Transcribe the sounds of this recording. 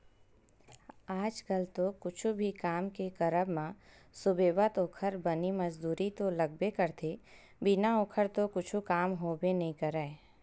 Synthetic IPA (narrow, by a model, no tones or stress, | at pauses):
aːd͡ʒkəlt̪okʊt͡ʃʰubʱikaːmkekəɾəbmã | sʊbeːʋət̪oːkʰəɾbənimɐd͡ʒd̪uːɾit̪olɐɡ̚bekəɾt̪ʰe | binaoːkʰəɾt̪okʊt͡ʃʰukaːmɦoːbenɐɦĩkɐɾəe